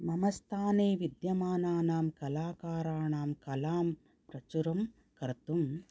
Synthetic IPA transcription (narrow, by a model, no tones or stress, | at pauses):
mɐmɐst̪ʰaːneːʋid̪jɐmaːnaːnaːmkɐlaːkaːɾaːɳaːmkɐlaːm | pɾɐt͡ʃuɾɐm | kɐɾt̪um